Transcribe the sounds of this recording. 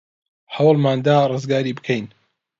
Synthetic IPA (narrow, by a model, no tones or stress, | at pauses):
hɐwlˠmaːnd̪aːrˤɨzɡaːɾiːbɨkʰejn